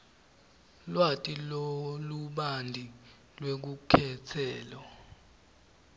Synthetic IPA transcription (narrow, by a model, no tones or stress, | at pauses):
lwatʼiloluɓandʱi | lwek̬ukʰɛt͡sʰɛːlɔ